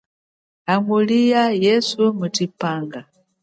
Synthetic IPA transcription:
aŋulijajɛsumutipaːŋɡa

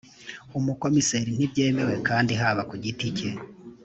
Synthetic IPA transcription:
umuko̞miseɾin̥ibɟe̞ːme̞we̞kaːndiɦaːβakuɟitice

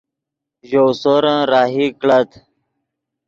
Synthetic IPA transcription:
ʑowsoːɾãɾaːɦikɭət̪

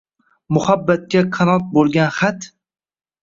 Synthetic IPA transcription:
mʊhabːat̪̚kʲaqʰɑnɒt̪̚bolˠɡʲanχat̪

